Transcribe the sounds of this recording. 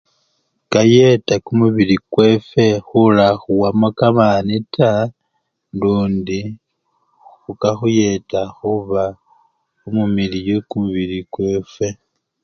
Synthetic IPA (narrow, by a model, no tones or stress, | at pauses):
kaje̞takumuβilikwe̞fe̞xulaxuwamokamanita | nduːndi | xukaxuje̞taxuβa | umumilijokumuβilikwe̞fwe̞